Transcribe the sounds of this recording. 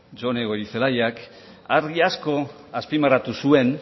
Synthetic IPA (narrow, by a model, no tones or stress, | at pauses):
d͡ʒo̞ne̞ɣo̞ɾiθe̞lajak | aɾɣiasko̞ | aspimaɾat̪usue̞n